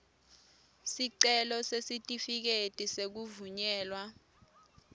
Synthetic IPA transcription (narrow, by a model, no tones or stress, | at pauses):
siǀɛlɔsesitʼifik̬etʼisek̬uvuɲɛːlwa